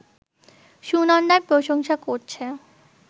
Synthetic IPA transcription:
ʃunanɖaɾpɾoʃoŋʃakoɾt͡ɕʰe

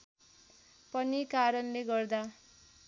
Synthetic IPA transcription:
pʌnikaɾʌnleɡʌrd̪a

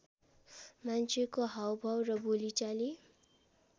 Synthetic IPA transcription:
mant͡sʰekoɦawbʱʌwrʌbolit͡sali

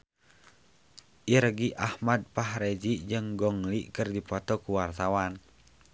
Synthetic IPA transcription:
ʔiɾɡiʔahmad̪̚paɦɾed͡ʒiʔd͡ʒɨŋɡɔŋliʔkɨrdipɔt̪ɔkuwart̪awan

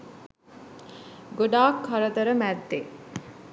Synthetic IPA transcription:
ɡoɖaːkʰːɐɾət̪əɾəmæd̪ːe

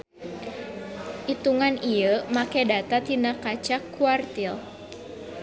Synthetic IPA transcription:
ʔit̪uŋanijəmakɛdat̪at̪inakat͡ʃakːuart̪il

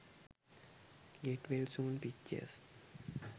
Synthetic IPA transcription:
ɡeʈʋelsũːnpikt͡ʃə̰s

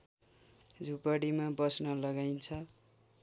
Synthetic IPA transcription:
d͡zʱupaɽimabʌsnʌlʌɡajnt͡sʰʌ

